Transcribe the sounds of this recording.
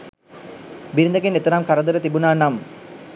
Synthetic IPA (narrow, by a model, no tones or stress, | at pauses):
biɾind̪ɐkenet̪ɐɾamkaɾəd̪əɾət̪ibunaːnam